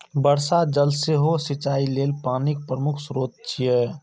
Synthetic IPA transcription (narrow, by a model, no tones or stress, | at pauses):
bəɾsad͡ʒəlseɦosɪt͡ʃaːileːlpaːnik̚pɾəmʊkʰsɾoːd̪̚t͡ʃʰijɛ